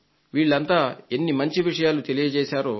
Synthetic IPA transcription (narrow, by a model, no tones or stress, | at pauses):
ʋiːɭːɐnt̪aːenːimɐɲt͡ʃiʋiʂɐjaːlut̪e̞lijɐt͡ʃɛːsaːɾoː